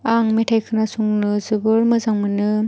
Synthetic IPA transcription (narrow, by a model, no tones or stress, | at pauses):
aŋmetʰajkʰɯnasuŋnɯzɯbɯɾmɯzaŋmɯnɯ